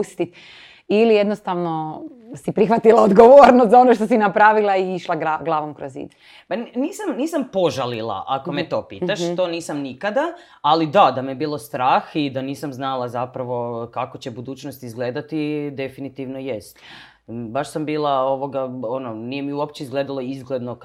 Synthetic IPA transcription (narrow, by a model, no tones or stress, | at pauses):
ust̪it̪ | ilijed̪nost̪aʋno | sipɾixʋat̪ilaod̪ɡoʋoɾnost̪zao̞noʃt̪osinapɾaːʋilˠaiiʃlˠaɡaɡlˠaːʋomkɾozḭd̪ | panniːsamniːsampo̞ʒalilˠa̰ʔako̞met̪o̞ːpiːt̪aʃo̞ːniːsamnikad̪aː | lid̪ad̪amijebiːlˠo̞st̪ɾaːxid̪aniːsamznalˠazapɾaʋo̞kakot͡ɕe̞bud̪uːt͡ɕnost̪izɡle̞ːd̪at̪id̪e̞finit̪iʋnojest̪ | baʃsambiːlˠaoʋo̞ɡaononijemiuop̚t͡ɕeizɡle̞ːd̪alˠo̞izɡled̪no